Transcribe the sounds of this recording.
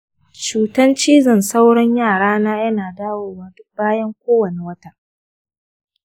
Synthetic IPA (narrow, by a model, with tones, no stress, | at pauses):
t͡ʃuː˨tɐ˦nt͡ʃiː˦zɐ˨nsa˦wɽɐ˦ɲjaː˦˨ɽaː˦naː˦jɐ˦naː˨daː˦woː˨waː˦dʊ˦k̚baː˦jɐ˦ŋkʷoː˦wɐ˨ne˨wɐ˦ta˦ʔ